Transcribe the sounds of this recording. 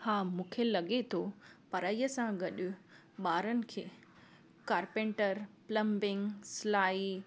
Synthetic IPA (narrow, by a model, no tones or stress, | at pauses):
hãːmũːkʰelɐɡet̪ʰopɐɾaːijəsãɡɐɗʊ | ɓaːɾənɪ̆kʰeː | kaːɾpẽɳʈəɾplɐ̃mbɪ̃ŋslaːi